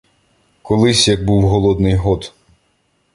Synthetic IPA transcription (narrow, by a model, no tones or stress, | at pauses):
kɔlˠɪsʲjɐɡ̚buwɦɔlˠɔd̪nɪjɦɔt̪